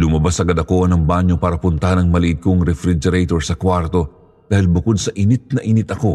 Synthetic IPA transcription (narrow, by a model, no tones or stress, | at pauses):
lʊmɐbasʔɐɡɐd̪ɐko̞nɐŋbaɲo̞paːɾɐpʊnt̪ɐhanɐŋmɐlɪʔɪd̪̚koŋɾɛfɾɪd͡ʒɛɾet̪oɹsɐkwaɾt̪o̞ | d̪aːhɪlbʊko̞d̪̚sɐʔɪnɪt̪̚nɐʔɪnɪt̪ɐko̞